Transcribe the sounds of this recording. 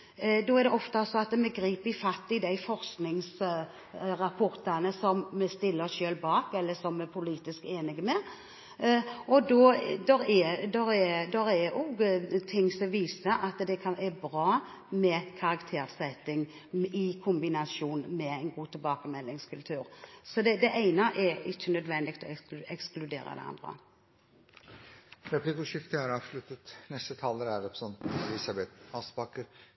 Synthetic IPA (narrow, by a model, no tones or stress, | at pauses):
d̪ɔæɾd̪ɛʔɔft̪ɑsɔɑt̪mɛɡɾiːpɪfɑt̪ːɪd̪æɪfɔɾsknɪŋs | ɾɑpʰʊɾt̪ɑnəsɔmmɛst̪ɪlːəʃøːlbɑːkɛlːəsɔmːɛpʰʊliːt̪ɪskeːnɪɡəmɛ | ɔd̪oːd̪ɔɾɛd̪ɔɾɛd̪ɔɾɛɔɡt̪ʰɪŋsɔʋiːsəʔɑt̪d̪ɛkʰɑnɛɾbɾɑː | mɛkʰɑɾɑkt̪ʰeːɾsɛt̪ɪŋ | ɪkʰʊmbɪnɑsuːnmɛɛɪnɡuːt̪ʰɪlbɑːkəmɛlːɪŋskʰʉlt̪ʰʉːɾsɔd̪ɛd̪ɛʔæɪnəʔɛɾɪçːənœd̪ʋɛnd̪ɪkt̪ɔɛksklʉd̪ḛːɾə̰d̪ɛ̰ɑ̰nd̪ɾə̰ | ɾɛpʰlikʊʃɪft̪əhɑɾɑːʋʃlʉt̪ːət̪nɛst̪ət̪ʰɑːləɾæd̪ɑpsɔnɛliːsɑbɛt̪ɑːsbɑkəɾ